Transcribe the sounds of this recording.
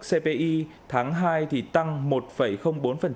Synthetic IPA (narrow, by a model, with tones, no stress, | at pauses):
se˧pe˧ʔi˧ | t̪ʰaː˨˦ŋɦaː˧jt̪ʰi˨˩t̪a˧ŋmo˨˩t̚fə˧˩jxə˧wŋ͡mɓo˨˦nfə˨˩n